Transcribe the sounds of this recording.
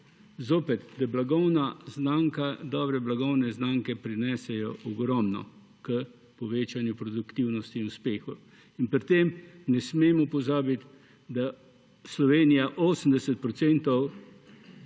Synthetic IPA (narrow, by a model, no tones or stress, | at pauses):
zoːpɛt̪d̪ablaɡɔwnaznaŋkad̪ɔːbɾɛblaɡɔwnɛznaːŋkɛpɾinɛːsɛjɔʔɔɡɾɔmnɔ̰ | kə | pɔʋeːt͡ʃanjupɾɔd̪ukt̪iwnɔst̪inuspeːxɔ | inpɾit̪emnɛsmeːmɔupɔzaːbit̪ | d̪a | slɔʋeːnijaʔoːsəm̩d̪ɛsɛt̪̚pɾɔt̪sɛnt̪ɔw